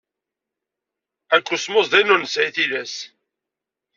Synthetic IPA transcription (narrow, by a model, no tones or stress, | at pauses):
ækʷːʊsmʊzðænʊnəsʕiθiðæs